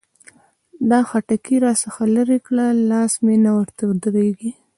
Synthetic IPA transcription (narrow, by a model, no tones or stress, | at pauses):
d̪ɑxaʈakiɾɑsəxalaɾekɽalɑsmenawəɾt̪awd̪ɾeɡi